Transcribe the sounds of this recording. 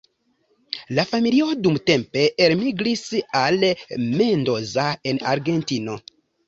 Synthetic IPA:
lafamilio̞dumte̞mpe̞ʔeɾmiɡlisalme̞ndo̞zae̞na̰ɾɡe̞ntino̞

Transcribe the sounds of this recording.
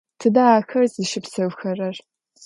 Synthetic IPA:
tʰɨdaːxɐrziʃɪpsɐwxɐrɐr

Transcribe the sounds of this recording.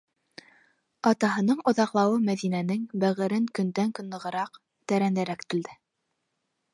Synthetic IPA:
ɑt̪ɑɦɤ̆nɤɴŏðɑqlˠɑwɤmæðinænɘŋbæʁɘ̆ɾɘŋkɵ̆nd̪æŋkɵ̆nlˠɤ̆ʁɤ̆ɾɑq | t̪æɾænd̪æɾækt̪ɘ̆ld̪ɘ

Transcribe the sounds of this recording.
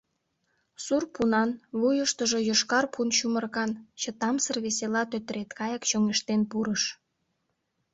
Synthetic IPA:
surpunɑnβujəʃt̪əʒojoʃkɑrpʰunʃumərkɑnt͡ɕət̪ɑmsərβeselɑt̪øt̪əɾet̪kɑjəkt͡ɕoŋeʃt̪enpuɾəʃ

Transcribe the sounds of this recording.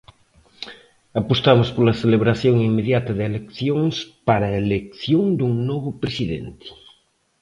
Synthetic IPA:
apost̪amʊspolaθeleβɾaθjoŋimːeðjat̪ɐðelekθjoŋspaɾaelekθjoŋd̪uŋnoβ̞ʊpɾesiðḛnt̪ɪ̥

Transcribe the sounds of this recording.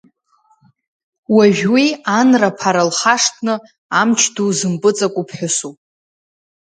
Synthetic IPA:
waʒᶣʲwianrapʰaɾalχaʂtʰnɨ | amt͡ʃʰduzɨmpʼɨt͡sʼakʷʼupʰħʷᶣʊsupʼ

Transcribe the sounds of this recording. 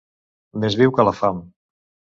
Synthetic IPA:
mezβiwkəlafam

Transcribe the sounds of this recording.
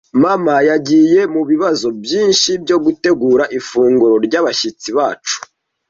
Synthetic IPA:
mamajaɟiːje̞muβiβazo̞bjiːnʃibɟo̞ɡute̞ɡuːɾaʔifuːŋɡuɾo̞ɾɟaβaʃit͡siβaːt͡ʃu̥

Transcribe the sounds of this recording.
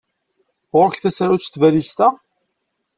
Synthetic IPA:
ʁʊɾəçθæsɾawt͡st̪vælist̪æ

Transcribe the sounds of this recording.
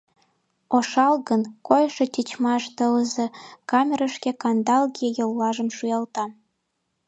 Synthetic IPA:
oʃɑlɣənkojʃet̪ʲit͡ɕmɑʃt̪ələzekɑmʲeɾəʃkekɑnd̪ɑlɣijejolːɑʒə̆mʃujɑlt̪ɑ

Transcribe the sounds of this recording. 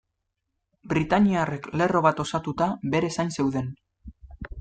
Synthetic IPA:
bɾit̪aɲiarekle̞ro̞β̞at̪o̞sat̪ut̪aβe̞ɾe̞sajnse̞wðe̞n

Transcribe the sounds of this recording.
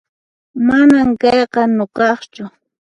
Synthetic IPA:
manamkɑjqɑnʊqɑχt͡ʃʊ

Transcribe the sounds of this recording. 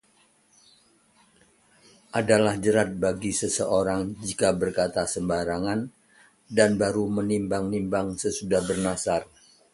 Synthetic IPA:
ʔadalahd͡ʒəɾat̪̚baɡisəsəʔoɾaŋd͡ʒikabərkat̪asəmbaɾaŋan | danbaɾumənimbaŋnimbaŋsəsudahbərnasar

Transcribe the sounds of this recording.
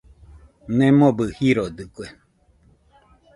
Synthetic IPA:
nẽmõbɨhiɾod̪ɨkwe

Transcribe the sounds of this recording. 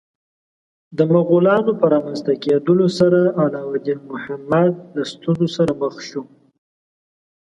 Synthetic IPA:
d̪əmaɣulɑnopəɾɑmanst̪aked̪əlosaɾaawlɑwad̪inmʊhamad̪̚last̪unzosaɾaməxʃu

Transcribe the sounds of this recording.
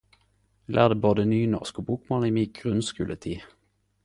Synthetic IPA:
lʔæ̰ːʁd̪əːboːd̪ənyːnɔ̰ʁskobuːkmɑniːmiːɡʁʉnskʉːlət̪ʰiː

